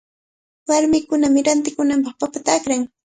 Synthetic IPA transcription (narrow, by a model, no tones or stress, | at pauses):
waɾmɪkʊnamɪɾant̪ɪkʊnampɑχpapat̪aːkɾaŋ